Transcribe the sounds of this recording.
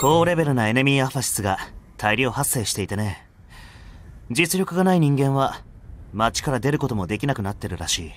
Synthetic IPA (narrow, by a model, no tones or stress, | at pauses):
ko̞ːɾe̞be̞ɾɯ̟nae̞nemʲiːaɸaɕi̥sɨɡat̪ʰaiɾʲo̞ːhasːe̞ːɕi̥t̪e̞it̪ane̞ | d͡ʑit͡sɨɾʲo̞kɯ̟ɡanaiɲ̟ĩŋɡẽ̞ɰ̃βa | mat͡ɕi̥kaɾad̪e̞ɾɯ̟ko̞t̪o̞mo̞d̪e̞kʲinakɯ̟nat̪ːe̞ɾɯ̟ɾaɕiː